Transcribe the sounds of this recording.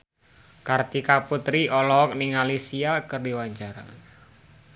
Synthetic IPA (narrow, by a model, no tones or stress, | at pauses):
kart̪ikaput̪ɾiʔɔlɔɔk̚niŋalisiakərdiwaɲt͡ʃaɾa̰